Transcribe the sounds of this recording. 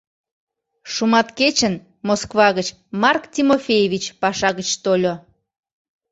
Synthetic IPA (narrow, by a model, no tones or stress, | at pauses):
ʃumɑt̪ket͡ɕən | moskβɑɣət͡ɕ | mɑrktʲimofʲejevʲit͡ɕpɑʃɑɣət͡ɕt̪olʲo